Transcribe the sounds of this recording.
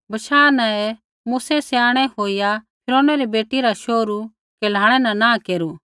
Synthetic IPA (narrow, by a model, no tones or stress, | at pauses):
bɐʃaːnãe | muːsɛsɛaːɽ̃ɛɦoːijapʰɪɾoːnɛɾibeːʈiɾaʃoːɾu | keːl̤aːɽ̃ɛnɐ̃nãkeːɾu